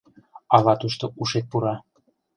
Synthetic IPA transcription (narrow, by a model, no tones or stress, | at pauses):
ɑlɑt̪uʃt̪ouʃet̪̚puɾɑ